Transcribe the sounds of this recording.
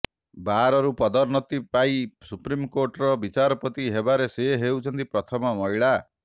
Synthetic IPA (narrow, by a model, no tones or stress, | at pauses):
baɾɔɾupɔd̪ɔɾnɔt̪ipaisupɾimkoɾʈɔɾɔbit͡ʃaɾɔpɔt̪iɦebaɾeseɦewt͡ʃʰɔnt̪ipɾɔt̪ʰɔmɔmɔiɭa